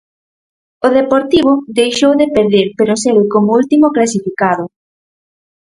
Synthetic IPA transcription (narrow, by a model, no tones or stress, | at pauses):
oðepoɾt̪iβ̞ʊd̪ejʃowðepeɾðeɾpeɾʊseβɪkomoult̪imoklasifikaðʊ